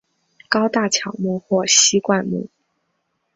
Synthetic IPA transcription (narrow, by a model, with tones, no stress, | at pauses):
kɑ˥ʊt̪a˥˩t͡ɕʰjɑ˨˩ʊmu˥˧xwɔ˥˩ɕi˥kwa˥˧nmṵ˥˩